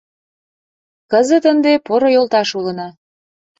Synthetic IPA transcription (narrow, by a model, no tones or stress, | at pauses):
kəzə̆t̪ənd̪epoɾojolˠt̪ɑʃulənɑ